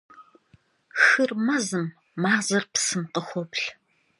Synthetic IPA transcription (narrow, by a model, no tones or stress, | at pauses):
xɨrmɐzɨmː | aːzɐrpsɨmqəxʷɔpɬ